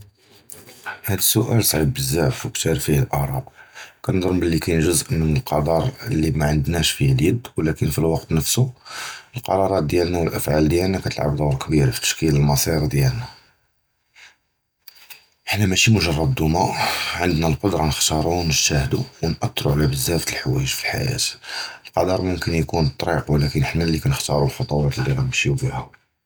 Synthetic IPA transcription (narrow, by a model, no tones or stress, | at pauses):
hæd̪əsːʊʔælsˤʕibːəzːaʕfwkt̪ʰiɾˤfihlʔɑʕɾˤɑb̪kænd̪ˤɾʊmbəlːikæjnʒʊzʔmənəlqɑd̪ˤɑɾˤəlːimæʕənd̪næʃfihljəd̪wlækənfilwɑqt̪nəfsuəlqɑ̰ɾˤɑɾˤɑt̪̚d̪jælnæwəlʔæfʕald̪jælnækæt̪əlʕa̰bd̪ˤʊwɾkbiɾfi̥t̪ːə̥ʃkiləlmɑsˤiɾd̪jælnæ | əħnæmæʃimʊʒɑrˤːɑd̪ːumæʕənd̪nælqod̪ɾˤɑnəxt̪ɑɾˤunəʃt̪æhd̪uwnʔɑt̪ːɾˤuʕlæbəzːæft̪əlħwæ̰jəʒfi̥ħa̰jæ̰t̪əlqɑd̪ɑɾˤmʊmkənjkunt̪ˤːɾiqwlækənəħnælːikænəxt̪ɑɾˤulxɑt̪ˤuwæt̪lːiɣæd̪bəʃjufihʊ